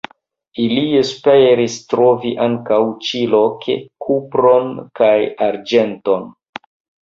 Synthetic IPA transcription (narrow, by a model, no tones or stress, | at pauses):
iliespeɾistɾo̞viʔaŋkawt͡ʃilo̞kḛkʰupɾo̞nkajaɾd͡ʒe̞nto̞n